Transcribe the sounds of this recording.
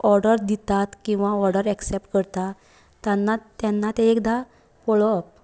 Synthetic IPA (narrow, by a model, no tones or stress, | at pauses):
ɔɾɖəɾd̪it̪at̪kĩw̃ʋaɔɾɖəɾɛksep̚ʈkəɾt̪a | t̪janːat̪janːat̪eekd̪ʱa | poɭɔp̚